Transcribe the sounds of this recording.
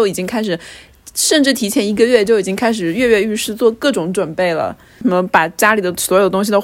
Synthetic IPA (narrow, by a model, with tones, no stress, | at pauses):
o˥˩ʊi˨˩t͡ɕi˥ŋkʰa˥ɪʂ̬ɻ̩˨˩ | ʂə˥˧nʈ͡ʂɻ̩˥˩t̪ʰi˧˥t͡ɕʰjɛ˧˥ni˧˥ɡə˧ɥɛ˥˧t͡ɕjo˥˩ʊi˨˩t͡ɕi˥ŋkʰa˥ɪʂ̬ɻ̩˨˩ɥɛ˥˧ɥɛ˥˧y˥˧ʂɻ̩˥˧t͡swɔ˥˧kɤ˥˩ʈ͡ʂʊ˧˥ŋʈ͡ʂwə˨˩npe˥˩ɪlə̰˩˥˩ | ə˧˥pa˨˩t͡ɕja˥li˨˩d̪ə˦swɔ˧˥jo˨˩ʊt̪ʊ˥ŋɕ̬i˨d̪o˥˧